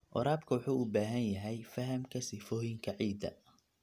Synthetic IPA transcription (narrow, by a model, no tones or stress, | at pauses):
ʔɔ̰ɾaːb̚kʰɐwʊħuːʊbaːɦɐnjɐɦɛjfɐɦɐmkʰɐsɪfɔːjɪŋkʰɐʕiːd̪ɐ̰